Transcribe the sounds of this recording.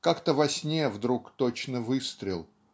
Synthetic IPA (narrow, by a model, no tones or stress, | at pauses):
kakt̪əvɐsʲnʲevd̪ɾukt̪ot͡ɕnəvɨst̪ɾʲɪlˠ